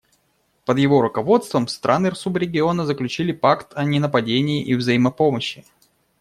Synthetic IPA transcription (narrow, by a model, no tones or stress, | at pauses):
pəd̪jɪvo̞ɾʊkɐvo̞t̪st̪vəmst̪ɾʔanɨrsupɾʲɪɡʲɪo̞nəzəklʲʉt͡ɕilʲɪpakt̪ʰɐnʲɪnəpɐdʲenʲɪːʔivzəjiməpo̞məɕːɪ